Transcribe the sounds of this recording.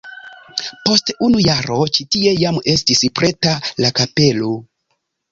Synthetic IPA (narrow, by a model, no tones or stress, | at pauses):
po̞stunujaɾo̞t͡ʃitie̞jame̞stispɾe̞talakape̞lo